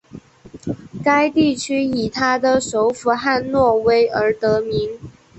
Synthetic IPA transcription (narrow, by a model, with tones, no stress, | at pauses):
ka˥ɪt̪i˥˩t͡ɕʰy˥i˨˩t̪ʰa˥d̪ə˨ʂo˧˥ʊfu˧˥xa˥˧nnwɔ˥˩we˥ɪə˧˥t̪ɤ˧˥mi˧˥ŋ